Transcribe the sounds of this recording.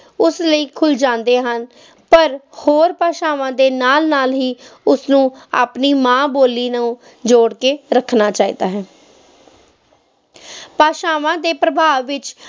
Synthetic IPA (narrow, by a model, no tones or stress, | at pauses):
ʊsləiːkʰʊld͡ʒãːnd̪eːɦən | pəɾhoːɾpaːʃaːʋãːd̪eːnaːlnaːlɦiːʊsnũːa̰ːpniːmãːboːliːnəũː | d͡ʒoːɽkeːɾəkʰnaːt͡ʃaːḭːd̪a̰ːɦɛː | paːʃaːʋãːd̪eːpɾəbʱaːʋːɪt͡ʃ